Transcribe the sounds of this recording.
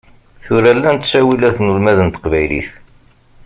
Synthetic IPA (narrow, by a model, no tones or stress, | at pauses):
θʊɾælːænt̪sæwilæθnulmæðənt̪ə̥qvæjlḭθ